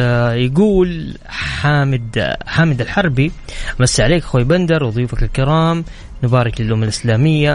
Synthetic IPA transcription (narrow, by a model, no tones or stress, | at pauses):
jaɡuːl | ħaːmɪd̪ħaːmɪd̪ɪlħɑɾˤbi | ʔamasːʕaleːkxwaːjband̪ɑɾˤwðˤjuːfakalkɪɾɑːm | nɪbaːɾˤɪklɪlʔʊmːalʔɪslaːmɪjːa